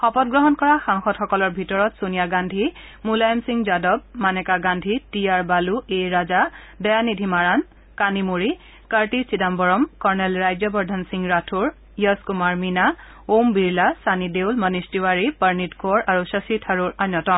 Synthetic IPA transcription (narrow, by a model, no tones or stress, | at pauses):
xɔpɔtɡɹɔɦɔnkɔɹaxaŋxɔtxɔkɔlɔɹbʱitɔɹɔtsunijaɡandʱimulajɔmsiŋzadɔb̚manɛkaɡandʱitijaɹbaluejɹaza | dɛjanidʱimaɹan | kanimuɹi | kaɹtisidambɔɹɔmkɔɹnɛlɹajzɔbɔɹdʱansiŋɹatʰuɹ | jɔskumaɹmina | ombiɹlasanidewlmənistiwaɹipəɹnitkɔɹaɹusəsitʰaɹuɹanjɔtɔm